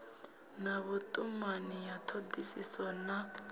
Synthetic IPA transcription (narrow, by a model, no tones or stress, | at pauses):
nɐβʊt̪ʼʊmːanːɪjat̪ʰɔd̪ːɪsɪsɔnːɐ